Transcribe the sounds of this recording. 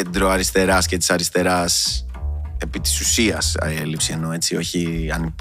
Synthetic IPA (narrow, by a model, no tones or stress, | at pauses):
ed̪ɾoɐɾist̪e̞ɾɐscet̪i̥sɐɾist̪e̞ɾɐs | e̞pit̪i̥susiɐselipsie̞no̞e̞t͡sio̞çiɐ̰nip